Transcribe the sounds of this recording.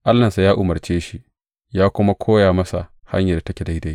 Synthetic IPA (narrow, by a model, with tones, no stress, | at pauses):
ʔa˦lːɐ˨nsa˨jaː˦ʔʊ˨mɐ˨rt͡ʃeː˦ʃi˦ | jaː˦kʷʊ˦ma˦kʷʰoː˦jaː˨mɐ˦sa̰˨ha̰˦ɲja˨da˨tɐ˦kʲɛ˨da˦jda˦j